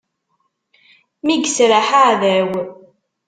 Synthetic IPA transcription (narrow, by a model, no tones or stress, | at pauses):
miɡsɾaħaʕðæw